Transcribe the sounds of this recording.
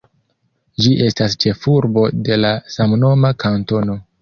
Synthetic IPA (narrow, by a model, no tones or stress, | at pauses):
d͡ʒiʔe̞stast͡ʃe̞fuɾbo̞de̞lasamno̞makanto̞no̞